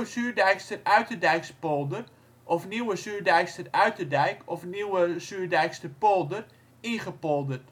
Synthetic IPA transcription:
əsyːrdɛjkstərœɥtədɛjkspolˠdər | ʔɔfniwəsyːrdɛjkstərœɥtədɛjkɔfniwəsyːrdɛjkstəpolˠdər | iχəpɔlˠdət

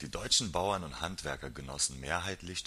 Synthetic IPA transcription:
d̥iːdɔʏt͡ʃn̩baʊɐnʊnthantv̥ɛɐkɐɡənɔ̰sn̩meːɐɦaɪtlɪç

